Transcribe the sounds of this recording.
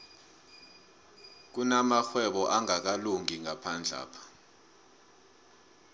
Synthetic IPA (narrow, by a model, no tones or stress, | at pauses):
k̬unamaxwɛɓɔʔaŋak̬aluŋiŋapʰand͡ɮʱa̰ːpʰḁ